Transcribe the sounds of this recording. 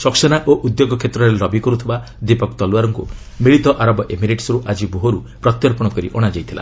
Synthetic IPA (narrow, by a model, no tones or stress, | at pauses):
sɔksɔñaʔoʔud̪joɡɔkʰet̪ɾɔɾeɾɔbikɔɾut̪ʰiba | d̪ipɔkt̪ɔluwaɾɔŋku | miɭit̪ɔʔaɾɔbɔʔemiɾeʈsɔɾuʔad͡ʒiboɦoɾu | pɾɔt̪jɔɾpɔɽ̃ɔkɔɾḭʔɔɽ̃ad͡ʒajt̪ʰila̰